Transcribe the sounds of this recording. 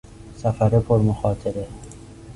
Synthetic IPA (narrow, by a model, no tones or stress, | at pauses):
safaɾepʰoɾmoxɒːt̪ʰeɾe